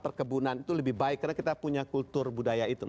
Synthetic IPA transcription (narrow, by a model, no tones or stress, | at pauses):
pərkəbunanit̪uləbɪhbaɪkːarnakit̪apuɲakult̪ʊrbudajait̪u